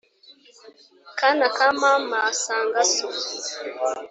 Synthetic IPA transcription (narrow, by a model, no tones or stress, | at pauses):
kanakamamasaːŋɡaso